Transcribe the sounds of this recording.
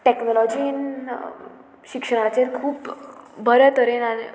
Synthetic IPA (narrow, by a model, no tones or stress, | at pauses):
ʈeknɔlɔd͡ʑin | ɕikʂəɽ̃ãt͡ɕeɾkʰuːpbəɾət̪əɾenane